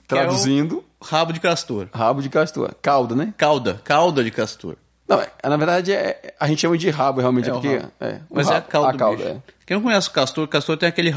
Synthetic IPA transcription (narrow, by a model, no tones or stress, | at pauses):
t̪ɾaudzĩd̪ʊ | habʊd͡ʒɪkast̪oɾɦabʊd͡ʒɪkast̪o̰ɾkawd̪ɐnɛkawd̪ɐkawd̪ɐd͡ʒɪkast̪o̰ɾ | nɐ̃w̃ɛɛnɐveɾd̪ad͡ʒɪɛɛaʒẽnt̪t͡ʃɪʃɐ̃mɐd͡ʒɪɦabʊheawmẽt͡ʃt͡ʃɛpkeɛ̰mɐzɛkaw̪kawd̪ɐɛ̰kẽñkõɲ̃ɛsɪʊ̥kast̪oɾkast̪oɾt̪ẽakelɪ